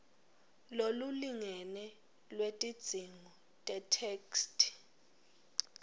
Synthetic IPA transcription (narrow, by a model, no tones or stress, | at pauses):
loluliŋɛnɛ | lwetʼid̥d͡z̥ʱiŋɔ | tʼɛtʰɛːkstʰʼ